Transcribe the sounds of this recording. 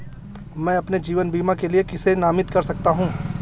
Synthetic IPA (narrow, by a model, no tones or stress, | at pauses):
mɛ̃ːɐpned͡ʒiːʋənbiːmakeliekɪsenaːmɪt̪kɐɾsɐk̚t̪aɦũː